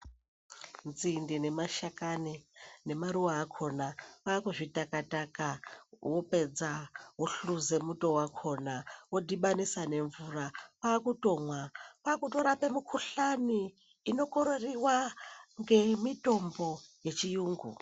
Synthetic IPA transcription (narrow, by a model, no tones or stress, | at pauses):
nzindine̞maʃakanine̞maɾuwaːkʰo̞napakuʐitakatakawo̞pe̞d͡zawoɬuze̞muto̞wakʰo̞nawodiɓanisane̞ɱvurapaːkuto̞mwapakuto̞ɾape̞mikʰuɬaniː | no̞ko̞ɾo̞riwaŋɡe̞mito̞mbo̞je̞t͡ʃijuːŋɡṵ